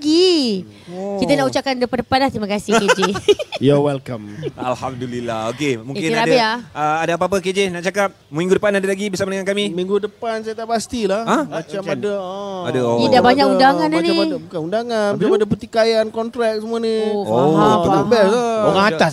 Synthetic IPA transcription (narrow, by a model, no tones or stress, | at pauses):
ɡi | kit̪̬anaʔut͡ʃakandəpandəpanlaht̪ɾimakasɪhked͡ʒejawɛlkama̰lhamd̪ulilːaokemũŋekɪnaadabeaəadaap̬aapəked͡ʒenaʔt͡ʃakap̚mĩŋɡudəpanadalaɡibəsamadəŋankamĩmĩŋɡudəpansajat̪aʔpast̪ilahamat͡ʃamadaaadaoidabaɲakundaŋananibukanundaŋanat͡ʃamadap̬ət̪ikajankɔnt̪ɾɛk̚səmuanioaəabɛsaoɣaŋaas